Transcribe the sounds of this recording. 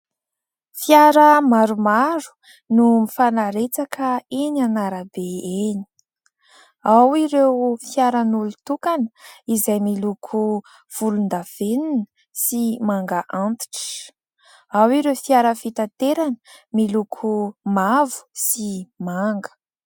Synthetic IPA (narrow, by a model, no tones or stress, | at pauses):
fiaɾəmaɾumaɾu̥ | numifanaɾet͡sakʰəenanaɾabeeni̥ | awiɾewfiaɾənulut̪ukanəizajmilukʰu | v̥ulund̪av̥eninə | simaŋɡaʔant̪i̥ʈ͡ʂə̥ | awiɾewfiaɾəfit̪at̪eɾanəmilukʰumavu̥simaŋɡə̥